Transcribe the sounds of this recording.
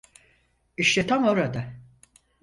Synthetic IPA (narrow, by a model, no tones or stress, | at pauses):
iʃt̪ɛt̪ʰamoɾad̪a